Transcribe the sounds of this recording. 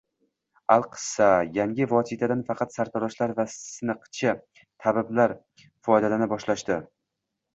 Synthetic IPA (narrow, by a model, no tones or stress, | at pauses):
alˠqʰɨ̥sajaŋʲɪvɒsit̪ʰad̪anfɑqʰɑt̪saɾt̪ʰɒɾɒʃlaɾvasɨnɨqʰt͡ʃʰɪ | t̪ʰabɪblaɾ | fɒjd̪alanɪbɒʃlaʃt̪ɪ